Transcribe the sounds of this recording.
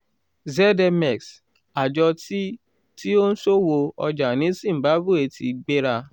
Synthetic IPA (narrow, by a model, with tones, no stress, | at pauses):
zɛ˦dɛ˧mɛ˨ks | a˨d͡ʒɔ˧ti˦ | ti˦o˦n̩˦so˦wo˧ɔ̰˧d͡ʒa˨nĩ˨˦sĩ˦˨ba˨˦ɡu˦˨e˨tʰḭ˨ɡ͡be˦ɾa˧